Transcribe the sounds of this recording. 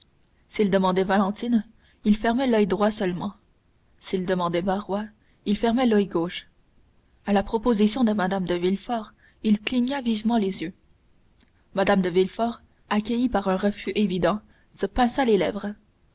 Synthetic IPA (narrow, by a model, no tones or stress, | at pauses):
sild̪əmɑ̃d̪ɛvalɑ̃t̪in | ilfɛʁmɛlœjd̪ʁwasœlmɑ̃ | sild̪əmɑ̃d̪ɛmaʁwa | ilfɛʁmɛlœjɡoːʃ | alapχɔpozisjɔ̃d̪əmad̪amd̪əvilfɔʁ | ilkliɲavivmɑ̃lezjø | mad̪amd̪əvilfɔʁ | akʲəjipaʁœ̃ʁəfyʔevid̪ɑ̃ | səpɛ̃salelɛvʁ